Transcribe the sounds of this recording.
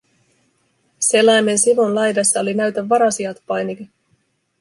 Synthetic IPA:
se̞lːɑjme̞nsiʋunlɑjdɑsːɑo̞linæɥt̪æʋːɑɾɑsiɑt̪pɑjniki

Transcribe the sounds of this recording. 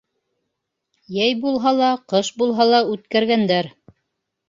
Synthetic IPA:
jæjbulˠɦɑlˠɑqɤʃbulˠɦɑlˠɑʉt̪kæɾɡænd̪æɾ

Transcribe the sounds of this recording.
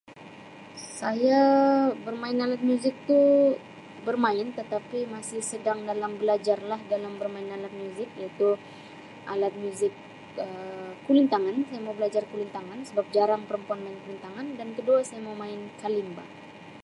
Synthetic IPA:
sajabərmaɪnalat̪̚mjuzɪk̚t̪u | bərmaɪnt̪ət̪apimasɪhsədaŋdalambəlad͡ʒarlahdalambərmaɪnalat̪̚mjuzɪk̚jait̪u | ʔalat̪̚mjuzɪk | əːulint̪aŋansajamaubəlad͡ʒarkulint̪aŋansəbap̚d͡ʒaɾaŋpəɾəmpɔnmaɪnkulint̪aŋandankəduasajamawmaɪnkalimba̰

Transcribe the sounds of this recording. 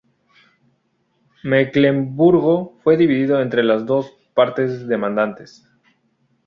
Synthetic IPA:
meklembuɾɣofwe̞ðiβiðiðo̞e̞nt̪ɾe̞lazd̪o̞s | paɾt̪e̞zðe̞mãnd̪ant̪e̞s

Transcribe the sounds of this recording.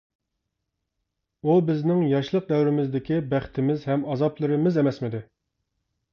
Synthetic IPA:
ubɪznɪŋjɑʃlˠəq̚d̪ɛwɾɪmɪzd̪ɪkʲibæχt̪ʰɪmɪzhɛmɑzɑplˠɨɾɪmɪzɛmɛsmɪd̪ɪ

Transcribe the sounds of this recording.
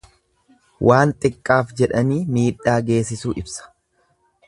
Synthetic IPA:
wʔaːnt̪ʼɪkʼːaːfd͡ʒɛᶑɐniːmiːᶑaːɡe̞ːsɪsuːʔɪbsɐ̥

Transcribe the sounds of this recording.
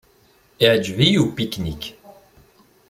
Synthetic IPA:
iʕd͡ʒvijupiknik

